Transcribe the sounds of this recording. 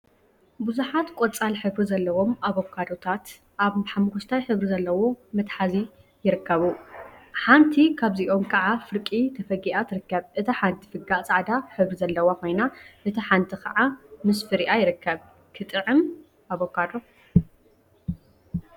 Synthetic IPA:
buzuħat̪kʷʼot͡sʼalħɨβɾizɐlːɐwo̞mʔaβokʰːad̪o̞t̪ʰat̪ | ʔaβħamkʰoʃt̪ʰajħɨβɾizɐlːɐwo̞mɐt̪ħazi | jɪɾɨkːɐβuħant̪ʰikʰaβziʔo̞mkʰɐʕafɨɾkʼit̪ʰɐfɐɡiʔat̪ʰɨɾɨkːɐβʔɨt̪ʰiħant̪ʰi̥fɨɡat͡sʼaʕd̪aħɨβɾizɐlːɐwokʰo̞jnaʔɨt̪ʰiħant̪ʰikɐʕamɨsfɨɾiʔajɪɾɨkːɐβ | kʰɨt̪ʼɨʕɨm | ʔaβokʰːad̪o̞

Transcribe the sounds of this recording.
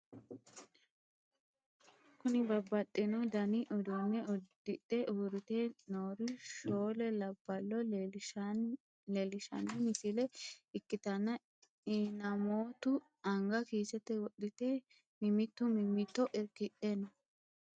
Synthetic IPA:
kʊnɪbɐbːɐtʼːɪnɔd̪ɐnɪʔɔd̪ɔnːɛɔd | ɪᶑɛʔuːɾɪt̪eːnoːɾɪʃoːlɛlɐb̥ːɐlːɔ | lelɪʃɐ̰nːɛmɪsɪlɛɪkːɪt̪ɐnːɐ | ɪnɐmoːt̪ʊ | ɐŋɡɐkiːsɛt̪ːɛwɔɗɪt̪e | mɪmɪt̪ːʊmɪmɪt̪ːɔʔɪɾkɪʔenɐ

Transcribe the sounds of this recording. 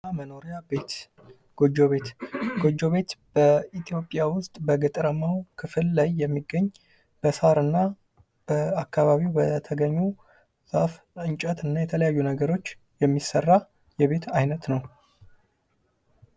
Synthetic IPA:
aməno̞ɾijabet̪ | ɡ̥o̞d͡ʒo̞βe̞t̪ɡ̥o̞d͡ʒːo̞βe̞t̪b̥əit̪ʰijo̞pʼːjawʊst̪ʼbəɡɨt̪ʼɾəmawkʰɨfɨlːajːɛmːiɡːəɲː | b̥əsaɾɨnːa | b̥əakʰːaβaβibət̪ʰəɡəɲːu | z̥a̰f | ɨɲt͡ʃʼət̪ɨnːajɛt̪ʰələjajːunəɡəɾo̞t͡ʃː | jɛmːisːərːa | jɛβe̞t̪ʰajnət̪nəw

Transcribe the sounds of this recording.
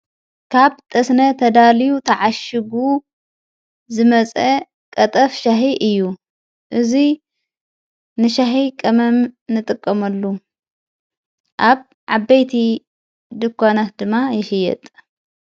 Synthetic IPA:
kʰaβt̪ʼɐsnɐt̪ʰɐd̪alijut̪ʰɐʕaʃɨɡu | zɨmɐt͡sʼɐ | kʼɐt̪ʼɐfʃaħiʔɨjːu | ʔɨzi | nɨʃaħikʼɐmɐmnɨt̪ʼɨkʼːɐmɐlːu | ʔaβ | ʕabːɐjt̪ʰi | d̪ɨkʰʷːanat̪̚d̪ɨmːajɛʃɪjːɛ̰t̪ʼ

